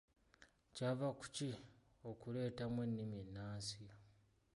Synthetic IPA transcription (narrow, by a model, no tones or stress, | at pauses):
cavaku̥ci | o̞kule̞ːtamwe̞nːimienːaːnsi